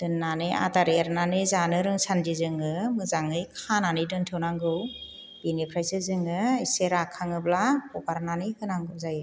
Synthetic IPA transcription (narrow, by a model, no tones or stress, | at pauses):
d̥ɯnːanɯjʔa̰taɾiaɾnanɯzanɯɾɯŋsandizɯŋɯmɯzaŋɯjkʰananɯjdɯntʰɯwnaŋɡɯw | binipʰɾajsɯzɯŋɯiseɾakʰaŋɯblakɔbaɾnanikʰɯnaŋɡɯwzajɯ